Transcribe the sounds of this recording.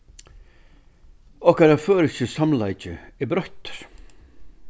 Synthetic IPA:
ɔhkaɾaføːɾɪsɪsamlajt͡ʃɪɛbɾœht̪ɾ̥

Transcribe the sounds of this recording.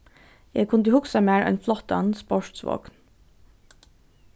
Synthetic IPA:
jḛːkʰʊnd̪əhʊksɑmæːɹʔɛ̰ɪnflɔt̪ɑ̰nspɔʃʈsʋo̰ːkn

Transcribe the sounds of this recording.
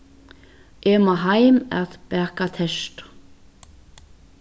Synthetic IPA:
ʔɛːmaɦajmɛ̰ðpɛkat̪ʰɛst̪

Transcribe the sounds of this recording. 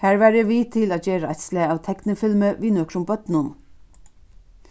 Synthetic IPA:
hæːɹʋæːɹjɛʋit̪ʰɪlaːt̪d͡ʑeːɾaajt̪slɪaaːwt̪ʰɛknɪfɪlməʋinœkɾʊmbœt̪nʊn

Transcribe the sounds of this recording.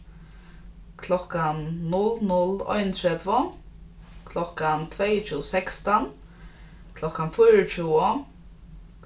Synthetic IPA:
kʰlɔkanːʊlnʊlɔ̰jnt̪ʰɹɛd̪vɔ | kʰlɔkant̪ʰvejt͡ʃʰuːsɛkst̪an | kʰlɔkanfɔjɾət͡ʃuːɔ

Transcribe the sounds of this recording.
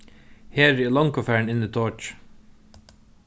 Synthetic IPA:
heːɾɛːlɔŋkʊfæːɳɪnit̪ʰoːt͡ʃ

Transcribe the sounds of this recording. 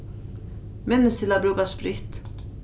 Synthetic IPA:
mɛnːɪst̪ʰɪlabɾʉːkaspɾɪht̪

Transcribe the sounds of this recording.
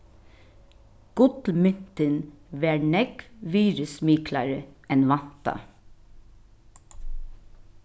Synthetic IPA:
ɡ̥ʊt̪l̩mʏn̥t̪ənʋeːɳɛɡ̥ʋiːɾəsmiːkʰlɑɹəɛnʋɑnt̪ɑ̰

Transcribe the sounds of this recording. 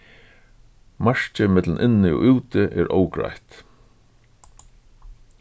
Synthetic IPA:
maɹ̥t͡ʃɪmɪt̪lnʔɪnːɪɔ̰ʔʉːt̪ɪʔɛɾʔoːwkɹa̰jht̪

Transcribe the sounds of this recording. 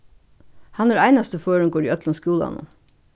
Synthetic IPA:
hɑnæɾæɪnɑst̪əføːɹəŋkɔːɖḭːœt̪lənskjuːlɑ̰nə̰n

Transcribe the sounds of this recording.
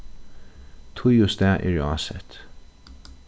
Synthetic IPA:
t̪ʰʊjʊst̪ɛːʔɛ̰ɹɑ̰ːsɛ̰t̪

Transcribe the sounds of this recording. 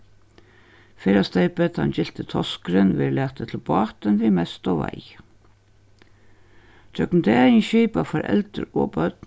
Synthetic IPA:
fɛːɾast̪ejpɛt̪ha̰nt͡ɕɪl̥t̪ɪt̪ʰɔskɾɪnʋɪɾlaːht̪ət̪ʰɪlbɑːt̪ɪnvimɛst̪ɔva̰j | d͡ʒœknt̪ʰɛɪnʃiːpafaɾʔɛ̰lt̪ʏ̰ɾɔ̰ːpœt̪n

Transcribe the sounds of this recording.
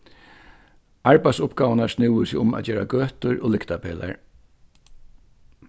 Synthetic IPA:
aɹpɛj̪sʊpɡaːʋnaɹsnɪwəsɪʊma̰ːt͡ɕeːɾa̰ɡøːt̪ʊɹʔoːlɪkt̪apʰeːla̰ɹ

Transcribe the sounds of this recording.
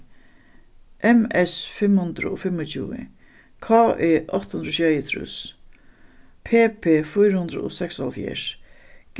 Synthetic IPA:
ʔɛmɛsfɪmhʊnd̪ɾə̰oːfɪmʊt͡ɕʰṵːɪ̰ | kʰaːʔeːʔɔht̪hund̪ɾoːɕɛjɪt̪ʰɾʊ̰s | pʰeːpʰeːfʊjɾhʊnd̪ɾə̰o̰ːsɛkshalfjḛɹɡ̥

